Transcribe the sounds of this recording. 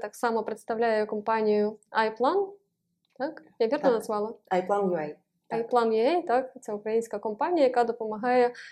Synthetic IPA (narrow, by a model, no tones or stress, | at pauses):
t̪aksɑmɐpɾɨt̪st̪ɐwlʲæjʊkɐmpanʲijʊajplˠan | t̪akjaʋʲirnɐnɐzvɑlˠɐajplˠanjʊaj | ajplˠanjʊɛjt̪akt̪sʲaʊkɾɐjinʲsʲkɐkɐmpanʲɪjɐjɐkad̪ɔpɐmɐɦɑjɛ